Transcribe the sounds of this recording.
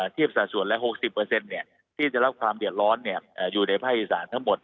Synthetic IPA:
t̪ʰi˥˩əp̚saː˨˩su˨˩˦ənlɛ˦˥ɦo˨˩k̚si˨˩pːɤː˧se˧nːi˥˩ə | t̪ʰiː˥˩t͡ɕa˨˩ɾa˦˥p̚kʰwaː˧mdɯ˨˩ət̪̚ɾɔː˦˥nːi˥˩əʔːjuː˨˩na˧jpʰaː˥˩k̚i˨˩saː˩˦nt̪ʰa˦˥ŋmo˨˩t̪̚

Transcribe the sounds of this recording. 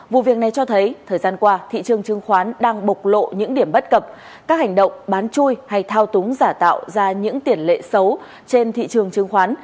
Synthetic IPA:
vṵ˧˨vi˨˩ək̚na˨˩jt͡ɕɔ˧t̪ʰə˨˦jt̪ʰəː˨˩jzaː˧nkwaː˧t̪ʰḭ˧˨t͡ɕɨ˨˩əŋt͡ɕɨ˧əŋxwaː˨˦nɗaː˧ŋɓə˨˩k͡p̚lo̰˧˨ɲɨ̰˧˥ŋɗi˧˩əmɓə˦˥t̚kə˨˩p̚ | kaː˦˥k̚ha˨˩jŋ̟ɗə̰˧˨wŋ͡mɓaː˨˦nt͡ɕu˧jha˧jt̪ʰaː˧wt̪ʊ˨˦ŋ͡mzaː˧˩t̪a̰ː˧˨wzaː˧ɲɨ̰˧˥ŋt̪i˨˩ənlḛ˧˨sə˨˦w | t͡ɕe˧nt̪ʰḭ˧˨t͡ɕɨ˨˩əŋt͡ɕɨ˨˧əŋxwaː˨˦n

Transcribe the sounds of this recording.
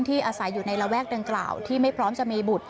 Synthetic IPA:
ŋt̪ʰiː˥˩ʔaː˧sa˩˦jːuː˨˩na˧jɾa˧wɛː˥˩k̚da˧ŋkla̰ː˨˩wt̪ʰiː˥˩ma˥˩jpʰɾɔː˦˥mt͡ɕa˨˩ʔmiː˧bu˨˩t̪̚

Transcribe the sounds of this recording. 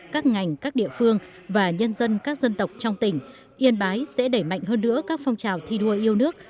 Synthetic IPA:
kaː˦˥k̚ŋa˨˩jŋ̟kaː˦˥k̚ɗḭ˧˨əfɨ˧əŋ | vaː˨˩ɲə˧nzə˧nkaː˦˥k̚zə˧nt̪ə˨˩wk͡p̚t͡ɕɔ˧wŋ͡mt̪ï˧˩ŋ̟ | ʔi˧ənɓaː˨˦jsɛ̰˧˥ɗə˧˩jma̰˧˨jŋ̟ɦəː˧nːɨ̰˧˥əkaː˦˥k̚fɔ˧wŋ͡mt͡ɕaː˨˩wt̪ʰi˧ɗu˧əʔi˧əwnɨ˦˥ək̚

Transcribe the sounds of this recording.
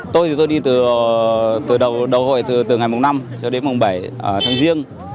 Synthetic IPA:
t̪o˧jt̪ʰi˨˩t̪o˧jɗi˧t̪ɨ˨˩ | t̪ɨ˨˩ɗə˨˩wɗə˨˩who̰˧˨jt̪ɨ˨˩t̪ɨ˨˩ŋa˨˩jmo˨˩ŋ͡m̚na˧mt͡ɕɔ˧ɗe˨˦nmʊ˨˩ŋ͡mɓa˧˩jt̪ʰaː˨˦ŋzi˧əŋ

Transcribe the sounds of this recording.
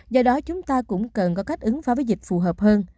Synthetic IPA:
zɔ˧ɗɔ˨˦t͡ɕʊ˨˦ŋ͡mt̪aː˧kʊ̰˧˥ŋ͡mkə˨˩nkɔ˨˦ka˦˥jk̟̚ʔɨ˨˦ŋfaː˨˦və˨˦jzï˨˩k̟̚fu˨˩ɦəː˨˩p̚həː˧n

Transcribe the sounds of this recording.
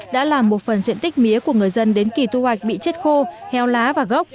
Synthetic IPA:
ɗa̰ː˧˥laː˨˩mːo˨˩t̚fə˨˩nzḭ˧˨ənt̪i˦˥k̟̚mi˨˦əku˧˩əŋɨ˨˩əjzə˧nɗe˨˦nki˨˩t̪u˧hwa˨˩jk̟̚ɓḭ˧˨t͡ɕe˦˥t̚xo˧hɛ˨˧wlaː˨˦vaː˨˩ɣə˦˥wk͡p̚

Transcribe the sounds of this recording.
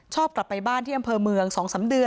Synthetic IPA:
t͡ɕʰɔː˥˩p̚kla˨˩pːa˧jbaː˥˩nt̪ʰiː˥˩ʔmpʰɤː˧mɯ˧əŋsɔː˩˦ŋsa˨˩˦mdɯ˧ə

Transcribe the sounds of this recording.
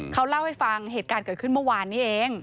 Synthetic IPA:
kʰa˦˥wla˥˩wha˥˩jfa˧ŋɦeː˨˩t̪̚kaː˧nkɤː˨˩t̪̚ʰɯ˥˩mɯ˥˩waː˧nːiː˦˥ʔeː˧ŋ

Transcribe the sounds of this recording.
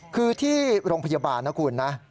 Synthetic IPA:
kʰɯː˧t̪ʰiː˥˩ɾoː˧ŋpʰa˧ja˧baː˧nːa˦˥kʰuː˧nːa˦˥

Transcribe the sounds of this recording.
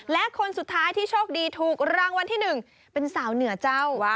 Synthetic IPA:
lɛ˦˥ʔkʰo˧nsu˨˩t̪ʰːaː˦˥jt̪ʰiː˥˩t͡ɕʰoː˥˩k̚diː˧t̪ʰuː˨˩k̚ɾaː˧ŋwa˧nt̪ʰiː˥˩nɯ˨˩ŋ | pe˧nsaː˩˦wnɯ˨˩˦ɐt͡ɕa˥˩w

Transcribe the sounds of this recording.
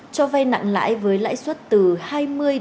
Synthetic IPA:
t͡ɕɔ˧va˧jna̰˧˨ŋla̰ː˧˥jvəː˨˦jla̰ː˧˥jswə˦˥t̚t̪ɨ˨˩haː˧jmɨ˧əj

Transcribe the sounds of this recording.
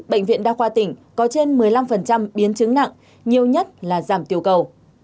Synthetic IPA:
ɓə̰˧˨jŋ̟vḭ˧ənɗaː˧xwaː˧t̪ï˨˩ŋ̟kɔ˨˦t͡ɕe˧nmɨ˨˩əjla˧mfə˨˩nt͡ɕa˧mɓi˨˦nt͡ɕɨ˨˦ŋna̰˧˨ŋ | ɲi˨˩əwɲə˦˥t̚laː˨˩zaː˧˩mt̪i˨˩əwkə˨˩w

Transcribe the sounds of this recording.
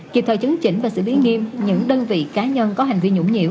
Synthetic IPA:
ki˨˩p̚t̪ʰə̰˧˨˩t͡ɕɨ˨˦ŋt͡ɕï˧˩ŋ̟vaː˨˩sɨ̰˧˩li˨˦ŋi˧mɲɨ̰˧˥ŋɗəː˧nvḭ˧˨kaː˨˦ɲə˧nkɔ˨˦ha˨˩jŋ̟vi˧əɲʊ̰˧˥ŋ͡mɲḭ˧˨əw

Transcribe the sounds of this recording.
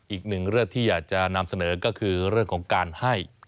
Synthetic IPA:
ʔiː˨˩k̚nɯ˨˩ŋɾɯ˥˩əŋt̪ʰiː˥˩jaː˨˩k̚t͡ɕa˨˩na˧msa˧nɤː˩˦kɔː˥˩kʰɯː˧ɾɯ˥˩əŋkʰɔː˩˦ŋkaː˧nha˥˩j

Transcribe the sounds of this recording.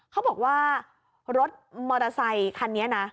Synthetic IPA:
kʰa˦˥bɔː˨˩k̚waː˥˩ | ɾo˦˥t̪̚mɔː˧ɾa˧sa˧jkʰa˧nːi˦˥ɐna˦˥

